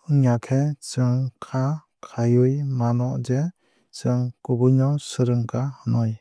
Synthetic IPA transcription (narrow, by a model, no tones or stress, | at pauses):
ɯŋjakʰet͡ʃɯŋkʰa | kʰajɯjmanɔʔze | t͡ʃɯŋkubujnɔwsɯɾɯŋkʰahɯnɔj